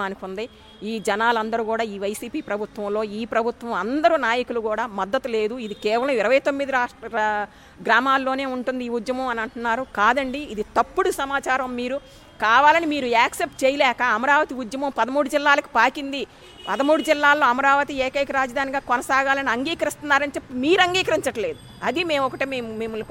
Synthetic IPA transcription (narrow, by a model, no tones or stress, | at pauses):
aːnikund̪ɐj | iːd͡ʒɛnaːlɐnd̪ɐɾuɡuːɽaːiːʋɐjsiːpiːpɾɐbʱut̪ʋɐmlo̞ːiːpɾɐbʱut̪ʋɐmɐnd̪ɐɾunaːjɐkulukuːɽaːmɐd̪ːɐt̪ule̞ːd̪uid̪ikɛːʋɐlɐ̃miɾɐʋɐjt̪omːid̪iɾaːʂɐ | ɡɾaːmaːlːo̞ːneːuɳʈund̪iːud̪jɐmɐ̃mɐnɐɳʈunːaːɾukaːd̪ɐɳɖiːd̪it̪ɐpːuɽusɐmaːt͡ʃaːɾɐmːiːɾu | kaːʋaːlɐnimiːɾuaːksep̚ʈ̚t͡ʃɛːjɐlɛːkɐːmɐɾaːʋɐt̪iud̪jɐmɐ̃mpɐd̪ɐmuːɽud͡ʒilːaːlɐku̥paːkind̪i | pɐd̪ɐmuːɽud͡ʒilːaːlːoːɐmɐɾaːʋɐt̪ieːkɐjkɐɾaːd͡ʒɐd̪aːniɡaːkɔnɐsaːɡaːlɐniɐŋɡiːkɐɾist̪unːaːɾɐnit͡ʃepːumiːɾɐŋɡiːkɐɾiɲt͡ʃɐʈɐle̞ːd̪u | ɐd̪ime̞ːmɔkɐʈeːmemmeːmɐi